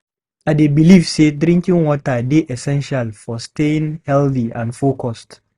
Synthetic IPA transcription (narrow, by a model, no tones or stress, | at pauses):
ʔadebɪlifseːdɾɪ̃ŋkʲɪŋwɔtadeʔɛsɛ̃nʃalfɔsteɪŋhɛlθiʔãnfokɔst